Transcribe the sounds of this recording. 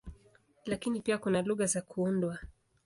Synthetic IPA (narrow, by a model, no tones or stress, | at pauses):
lakinipiakunaluɣazakuundwa